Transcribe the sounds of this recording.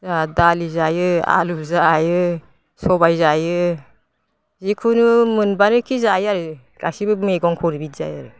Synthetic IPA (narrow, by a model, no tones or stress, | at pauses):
zadalizajɯa̰luzajɯ | sɔbajzajɯ | zikʰunɯmɯnbanɯkʰizajaɾɯ | ɡ̥asibɯmeɡɔŋkʰɔɾibit̚z̥a̰ja̰ɾɯ